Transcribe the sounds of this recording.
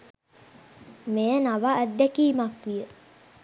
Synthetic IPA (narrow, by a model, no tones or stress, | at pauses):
mejənaʋaːd̪ːɛkiːmakʋijə